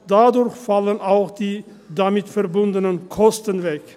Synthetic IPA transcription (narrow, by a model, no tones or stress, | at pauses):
d̥adʊɾçfalənaʊxd̥iː | damɪtfɛʁbʊndənənkʰɔstənvɛk